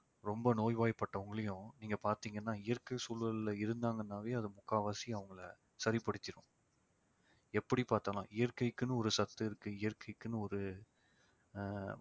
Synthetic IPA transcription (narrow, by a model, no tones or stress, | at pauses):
ɾɔmbɐnoːjʋaːjpːɐʈːɐʋɐŋɡɐɭɐjʊ̃niːŋɡɐpaːɾt̪iːŋɡɐnːaːɪjɐɾkɐɪsuːlʋɐlɪlɐɪɾɯnd̪aːŋɡɐnːaːʋeːɐðɯmʊkːaːʋaːsiɐʋɐŋɡɐɭɐ | sɐɾɪpɐɽɯt̪ːɪɾʊ̃ | ɛpːɐɽipaːɾt̪ɐlã̰ːɪjɐɾkɐɪkːɯnɯɔɾɯsɐt̪ːɯɪɾɯkːɯɪjɐɾkɐɪkːɯnɯɔɾɯ